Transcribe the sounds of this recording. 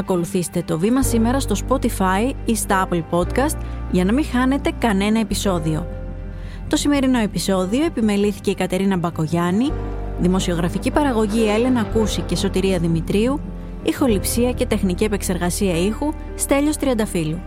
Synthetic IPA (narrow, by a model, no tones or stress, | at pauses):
ɐko̞luθist̪e̞t̪o̞vimɐsime̞ɾɐst̪o̞spo̞t̪ifɐjist̪ɐɐplpo̞t̪kɐst̪ʝɐnɐmĩxɐne̞t̪e̞kɐne̞nɐe̞piso̞ðio̞̰ | t̪o̞sime̞ɾino̞e̞piso̞ðio̞e̞pime̞liθi̥ce̞ikɐt̪e̞ɾinɐbɐko̞ʝɐniðimo̞sio̞ɣɾɐficipɐɾɐɣo̞ʝie̞le̞nɐkusice̞so̞t̪iɾiɐðimit̪ɾiu | ixo̞lipsiɐce̞t̪e̞xnicie̞pe̞kse̞ɾɣɐsiɐixu | st̪e̞ʎo̞st̪ɾiɐnd̪ɐfilu